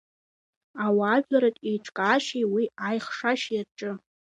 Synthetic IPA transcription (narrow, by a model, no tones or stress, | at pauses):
awaːʒᶣaɾatʼejʈ͡ʂʰʼkʼaːʃiwiajχʂaʃjaʈ͡ʂʼɨ